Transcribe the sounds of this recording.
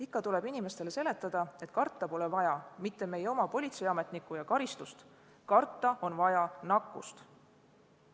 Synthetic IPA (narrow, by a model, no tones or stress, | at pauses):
ikːɑt̪ule̞binime̞st̪e̞lese̞le̞t̪ːˑɑd̪̥ɑe̞t̪ˑkɑrt̪ːˑɑpo̞lɛvɑjɑmit̪ːe̞me̞jeomɑpo̞lʲit̪seɑme̞t̪ˑnikːujɑkɑɾist̪ust̪ | kɑrt̪ːˑɑʔo̞nvɑjɑnɑkːˑust̪